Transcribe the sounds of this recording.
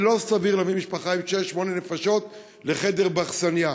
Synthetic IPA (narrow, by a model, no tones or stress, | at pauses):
lo̞saviʁlamimiʃpaχaimʃeʃːmo̞nenefaʃo̞t̪ | le̞χe̞de̞ʁbaχsanja